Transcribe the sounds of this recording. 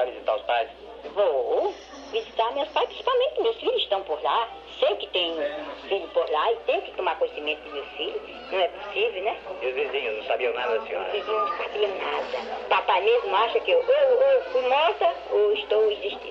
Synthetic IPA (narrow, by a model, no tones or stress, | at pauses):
avizit̪aɾʊspajs | vo | vizit̪aɾmewspajspɾĩsi̥pawmẽt̪ɪɪmewsfiʎʊzɪsʃt̪ɐ̃w̃poɾla | sejkɪt̪ẽj̃ũfiʎʊpoɾlaɪt̪ẽj̃ʊ̃kɪ̥t̪õmaɾkõɲesimẽnt̪ʊd̪ɪmewfiʎʊ | nɐ̃w̃ɛpo̥sivewnɛmewzvezĩɲʊznɐ̃w̃sabiɐ̃w̃na̰d̪ɐɐsĩɲɔ̰ɾɐvizĩnɐ̃w̃sabiɐ̃w̃nad̪ɐpapamezmʊaʃɐkɪewʔewewfujmɔɾt̪ɐ | oɪʃt̪owiziʃt̪ḭ̃